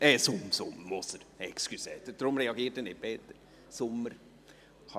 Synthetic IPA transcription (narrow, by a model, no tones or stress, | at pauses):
ɛsʊmsʊmmosəɾɛkskyseːt̪əd̥̪ɾʊmɾɛɑɡiːtənɪb̥ɛt̪ə | sʊmːəɾ | h